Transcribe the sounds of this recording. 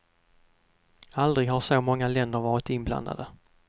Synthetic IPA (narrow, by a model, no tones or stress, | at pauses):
ald̪ɾɪɡhaʂomɔŋːalɛnd̪əɾvɑːɾɪt̪ɪnbla̰nd̪a̰d̪ə